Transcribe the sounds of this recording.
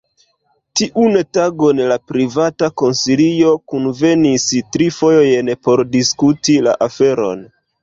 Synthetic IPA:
tiʔuntaɡonlapɾivatako̞nsilio̞kunve̞nistɾifo̞joje̞npo̞ɾdiskutila̰ʔafe̞ɾo̞̰n

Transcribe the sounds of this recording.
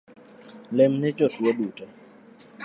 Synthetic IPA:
lɛmnɪd͡ʒɔtwodutɛ

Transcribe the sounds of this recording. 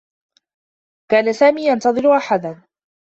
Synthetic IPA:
kaːnasaːmiːjant̪ɑðˤɨɾʊʔaħad̪a

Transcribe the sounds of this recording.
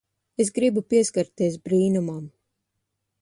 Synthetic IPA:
es̬ɡɾibupiɛskaɾt̪iɛsbɾiːnumam

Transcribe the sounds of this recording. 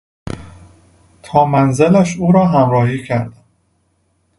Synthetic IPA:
t̪ʰɒːmænzelæʃuːɾɒːɦæmɾɒːhiːcʰæɾd̪æ

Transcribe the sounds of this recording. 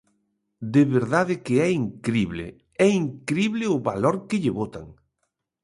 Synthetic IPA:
d̪ɪβeɾðaðɪkɪɛiŋkɾiβlɪ̰ | ɛiŋkɾiβlɪʊβaloɾkɪʎɪβot̪a̰ŋ

